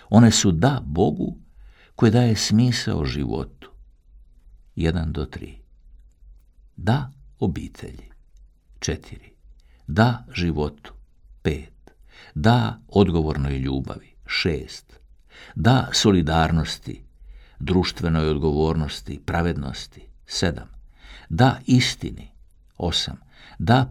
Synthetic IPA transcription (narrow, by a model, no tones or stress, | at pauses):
o̞ne̞sud̪aːbo̞ɡṵ | ko̞jid̪aːje̞smiːsa̰o̰ʒḭʋo̞̰t̪u̥ | jed̪and̪o̞t̪ɾḭː | d̪ao̞biːt̪ʰe̞̰ʎi | t͡ʃet̪ʰiɾi | d̪aːʒiʋo̞t̪u̥ | peːt̪d̪aːo̞d̪ɡo̞ʋo̞ɾno̞jʎuːba̰ʋiʃeːst̪ | d̪aːso̞lid̪aːɾno̞st̪ḭ | d̪ɾuːʃt̪ʋe̞no̞jod̪ɡo̞ʋo̞ːɾno̞st̪ipɾaʋed̪no̰st̪i̥sed̪a̰md̪aːʔist̪ḭni | o̞̰sa̰m | d̪aː